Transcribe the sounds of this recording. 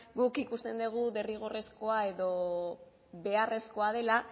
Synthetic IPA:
ɡukikust̪e̞nd̪eɣ̞uðe̞riɣ̞ore̞sko̞ae̞ðo̞ | βe̞are̞sko̞aðe̞la

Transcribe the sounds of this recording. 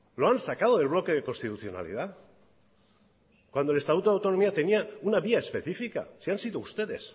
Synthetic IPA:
loansakað̞oðe̞lβlo̞ke̞ðeko̞nst̪it̪uθjo̞na̰lḭð̞a | kwanole̞st̪at̪ut̪oawt̪o̞no̞miat̪e̞niaunaβiae̞spe̞θifika̰siansiðoust̪e̞ðe̞s

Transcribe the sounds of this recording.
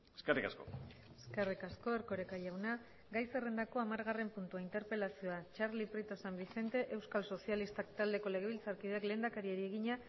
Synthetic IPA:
eskerika̰sko̰ | eskerikasko̞e̞ɾko̞ɾekaʎawna | ɡajse̞re̞nd̪ako̞amaɾɣare̞mpunt̪uaint̪e̞ɾpe̞lasioat͡ʃaɾliprit̪o̞sambise̞nt̪e̞ʔe̞wskalso̞sialist̪akt̪ald̪e̞ko̞le̞ɣ̞e̞β̞ilt͡saɾkiðeekle̞ːnd̪akaɾieɾie̞ɣiɲa

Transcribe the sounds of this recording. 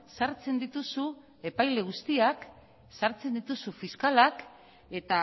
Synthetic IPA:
saɾt͡se̞nd̪it̪usu | e̞pajle̞ɣ̞ust̪iak | saɾt͡se̞nd̪it̪usufiskalak | e̞t̪a

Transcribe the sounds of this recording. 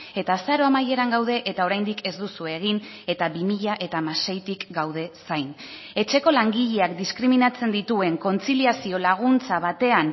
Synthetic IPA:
e̞t̪aːsaɾo̞amaje̞ɾaŋɡawð̞e̞ʔet̪ao̞ɾajnd̪ike̞zd̪usue̞ːɣ̞in | e̞t̪aβimiʎaʔe̞t̪amase̞jt̪ikɡawð̞e̞sajn | e̞t͡ʃe̞ko̞laŋɡiʎe̞akd̪iskɾiminat͡se̞nd̪it̪ue̞ŋko̞nt͡siliasio̞laɣ̞unt͡saβat̪e̞an

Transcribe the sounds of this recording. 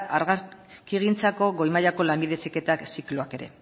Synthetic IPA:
aɾɣa | kiɣint͡sako̞ɣo̞jmajako̞lamiðe̞sike̞t̪aksikloake̞ɾe̞̰

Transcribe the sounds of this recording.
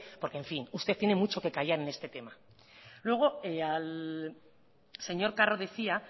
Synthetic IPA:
po̞ɾkeɱfinust̪e̞t̪je̞ne̞mut͡ʃo̞ke̞kajaɾe̞ne̞st̪e̞t̪e̞ma | lwe̞ɣ̞o̞eal | se̞ɲo̞ɾkaroðe̞θia

